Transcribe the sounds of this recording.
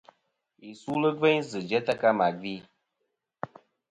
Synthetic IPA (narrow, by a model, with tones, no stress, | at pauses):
i˨su˦lə˦ɡɛ˦ɲzɨ˨d͡ʒɛ˦ta˦ka˦ma˨ɡi˦